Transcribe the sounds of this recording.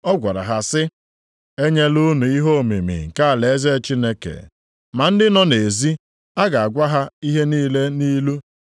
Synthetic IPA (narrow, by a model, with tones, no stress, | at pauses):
ɔ˦ɡʷa˨ɾa̰˨ɦa˨sɪ˦ | e˦ɲe˦lu˦nu˨i˦ɦo˦˨mḭ˨mḭ˨ŋ̩˨ka˦a˨le˨˦ze˦t͡ʃi˦ne˦kḛ˨ | ma˨n̩˦dɪ˦nɔ˦ne˨zi˦ | a˦ɡa˨a˨ɡʷa˦ɦa˦i˦ɦe˦niː˦le˦niː˦lu˦